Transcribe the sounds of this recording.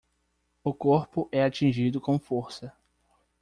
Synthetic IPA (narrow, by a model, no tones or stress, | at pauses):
ʊkoɾpʊʔɛat͡ʃĩʒid̪ʊkõw̃foɾsɐ